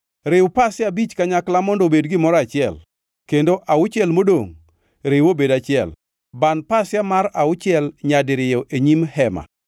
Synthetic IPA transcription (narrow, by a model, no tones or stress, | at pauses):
ɾɪwʊpasɪjabit͡ʃkaɲaklamɔndobedɡɪmɔɾɔat͡ʃɪɛ̰l | kendoʔaʊt͡ʃjɛlmodoŋ | ɾɪwobedat͡ʃɪɛ̰l | banpasjamaɾaʊt͡ʃɪɛlɲadɪɾɪjɔʔeɲimhɛma̰